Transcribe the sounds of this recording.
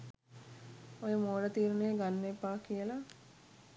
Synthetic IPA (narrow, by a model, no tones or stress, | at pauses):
ojemoːɽət̪iːɾneɡanːepaːkijəla